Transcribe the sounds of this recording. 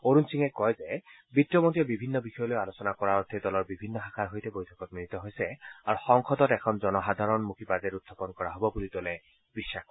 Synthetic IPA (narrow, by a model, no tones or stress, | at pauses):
oɹunsiŋɛkɔjzɛ | bitːjɔmontiɔbibʱinːɔbixɔjɔlojalosɔnakɔɹaot̪ʰidɔlɔɹbibʱinːɔxakʰaɹɦojtɛbojtʰɔ̥kɔt̚minit̪ɔɦojsɛaɹuxɔŋxɔdɔtɛkʰɔnzɔnɔxad̪ʱaɹɔnmukʰipazɛɾudʰʱapɔnkɔɹaɦobɔbulitolɛ | bisːax